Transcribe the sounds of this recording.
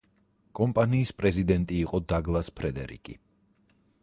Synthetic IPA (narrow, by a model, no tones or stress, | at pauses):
kʼɔmpʼaniːspʼɾɛzid̪ɛnt̪ʼiːqʼɔd̪aɡlˠaspʰɾɛd̪ɛɾḭkʼi